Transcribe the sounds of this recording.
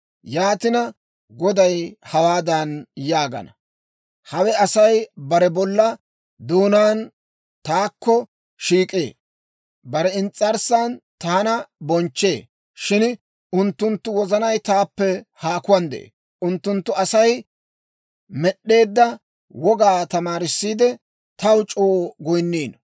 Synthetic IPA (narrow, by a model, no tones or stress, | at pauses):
jaːt̪ɪnɐ | ɡɔd̪ɐjhɐwaːd̪anjaːɡɐ̰nɐ | hɐwɛɐsɐjbɐɾɛbɔlːɐ | d̪uːnaːn | t̪aːkːɔ | ʃiːkʼḛː | bɐɾɛɪnt͡sʼːɐɾsaːnt̪aːnɐbɔnt͡ʃːe̞ː | ʃɪn | ʊnt̪ːʊnt̪ːʊwɔzɐnɐjt̪aːpːɛhaːkʊwɐnd̪ɛ̰ʔḛː | ʊnt̪ːʊnt̪ːʊɐsɐj | mɛɗːe̞ːd̪ːɐ | wɔɡaːt̪ɐmaːɾɪsːiːd̪ɛ | t̪ɐwt͡ʃʼoːɡɔjnːiːn